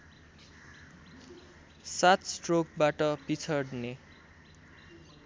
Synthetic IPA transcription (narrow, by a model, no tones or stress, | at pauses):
sat̪sʈrok̚baʈʌpit͡sʰʌɽne